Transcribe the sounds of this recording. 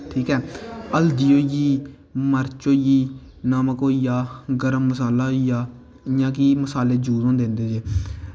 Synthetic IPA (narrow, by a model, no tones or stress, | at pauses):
ʈʰiːkɛːəld̪iːoːjiː | məɾt͡ʃoːjiː | naːməkoːijaːɡəɾəmːəsaːlaːɦoijaː | ɪjãːkiːməsaːleːd͡ʒuːzõːnd̪eːʊ̃nd̪eːd͡ʒeː